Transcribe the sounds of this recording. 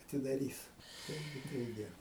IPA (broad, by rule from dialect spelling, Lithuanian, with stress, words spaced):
ɐtʲɪdɐˈrʲiːs ˈtɐɪɡʲɪ tɐɪˈɡʲɪ